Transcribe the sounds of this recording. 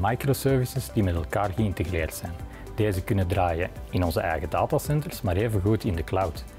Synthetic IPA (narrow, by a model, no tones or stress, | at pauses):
majkrosøːrvɪsəzdimɛtɛlˠkaːrɣəɪntəɣreːrtsɛjn | d̥eːzəkʏnədraːjəɪnɔnzəʔɛ̰jɣədaːtasɛntərsmaːɾeːvəɣutɪndəklawt